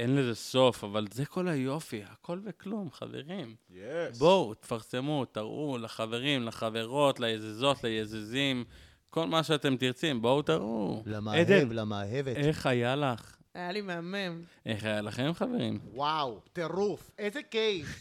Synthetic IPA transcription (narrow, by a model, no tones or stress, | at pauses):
enlezeso̞favalzeko̞lajo̞fihakʰo̞lveklumχa̰vḛʁimjbowt̪e̥faʁse̞mut̪aʁʔulaχave̞ʁimlaχave̞ʁo̞t̪lajezezo̞t̪lajezezim | ko̞lmaʃeat̪emt̪iʁt͡simbout̪aʁulamaed̪enlamaɦeveeχajalaχ | ajalimeamemʔeχajalaχemχaveʁḭmwawt̪eʁufezekejχ